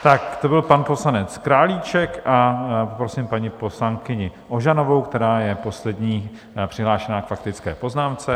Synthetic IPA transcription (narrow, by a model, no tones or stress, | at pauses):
t̪akt̪o̞bɪlpanpo̞slanɛt͡skɾaːliːt͡ʃɛkaopɾosɪmpaɲɪpo̞slaŋkɪɲɪʔo̞ʒano̞vo̞wkt̪ɛɾaːjɛpo̞slɛd̪ɲiː | pr̥ɪɦlaːʃɛnaːkfakt̪ɪt͡skɛ̰ːpo̞znaːmt͡sɛ